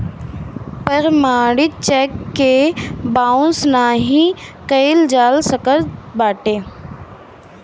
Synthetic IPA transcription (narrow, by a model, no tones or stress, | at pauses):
pəɾmaːɽɪt͡ʃɛːkːebaːʊ̃snaːɦĩkəjld͡ʒaːlsəkəɾbaːʈeː